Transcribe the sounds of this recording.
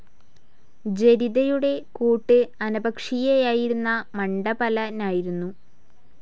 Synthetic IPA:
d͡ʑe̞ɾiðɐjuɽe̞kuːʈːɨɐnɐbɐkʂijejaːjiɾunːɐmɐɳɖɐbɐlɐnaːjiɾunːu

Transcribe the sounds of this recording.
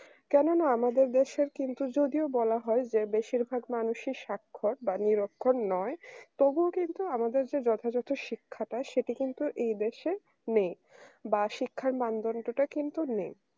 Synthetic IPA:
kɛnonaamad̪eɾd̪eʃeɾkint̪ud͡ʑod̪iobɔlaɦɔed͡ʑebeʃiɾbʱaɡmanuʃiʃakʰːoʈ̚baniɾokʰːonnɔet̪ɔbuokint̪uamad̪eɾd͡ʑed͡ʑɔt̪ʰad͡ʑot̪ʰoʃikʰːaʈaʃeʈikint̪uʔejd̪eʃe | nej | baʃikʰːaɾmand̪onʈoʈakint̪unej

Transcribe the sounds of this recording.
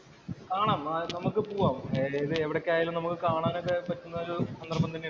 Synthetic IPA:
kaːɳaːmnɐmukːɨpuːʋaːmːðɨeʋiɽekʲːaːjaːlumnɐmukːɨkaːɳaːnokːepɐtːunːɐoɾuɐnd̪rɐmɐnine

